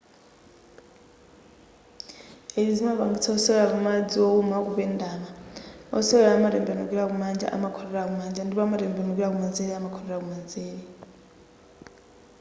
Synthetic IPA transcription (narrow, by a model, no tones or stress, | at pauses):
eid͡zimaβaŋɡit͡sʰaɔsɛɛɺakumad͡ziɔumakuβɛndaːmaɔ̰sɛɛɺaamaɾɛmbɛnuk̬iɺakumand͡ʒa̰ʔa̰makʰɔɾɛɺak̬umand͡ʒandiβɔamaɾɛmbɛnukiɺak̬umand͡zeɺɛamakʰɔɾɛɺakumand͡zeːɺɛ